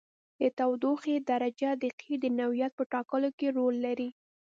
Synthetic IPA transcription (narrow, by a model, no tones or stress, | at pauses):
d̪ət̪awd̪oxed̪aɾad͡ʒad̪əqʰid̪ənawijat̪̚pəʈɑkəlokeɾolːaɾi